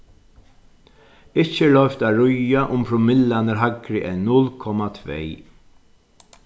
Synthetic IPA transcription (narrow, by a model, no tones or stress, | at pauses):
ɪt͡ʃːəɭœʏft̪aːɾʊjaʔʊmpɾʊmɪlanəɾɦaɡɾɪʔɛɪnːʊlkʰɔmat̪ʰvḛː